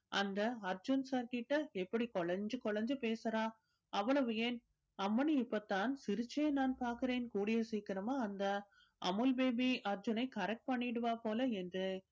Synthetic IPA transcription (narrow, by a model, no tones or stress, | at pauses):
ʔɐnd̪ɐɐɾd͡ʒʊnsaːɾkɪʈːɐɛpːɐɽikɔɭɐɲd͡ʒɯkɔɭɐɲd͡ʒɯpeːsɐɾaː | ʔɐʋːɐɭɐʋɯjeːn | ɐmːɐnɯɪpːɐt̪ːaːnsɪɾɯt͡ʃːeɐnaːnpaːɾkɯɾeːnkuːɽɪjɐsiːkɪɾɐmaːɐnd̪ɐ | ʔɐ̰mɯlbeːbiɐɾd͡ʒʊnɐɪkɐɾɛk̚ʈ̚pɐɳːɪɽɯʋaːpoːlɐɛndrɯ